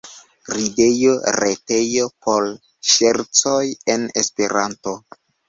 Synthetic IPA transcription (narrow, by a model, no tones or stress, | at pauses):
ɾide̞joɾete̞jo̞poɾ | ʃeɾt͡sojenespe̞ɾanto̞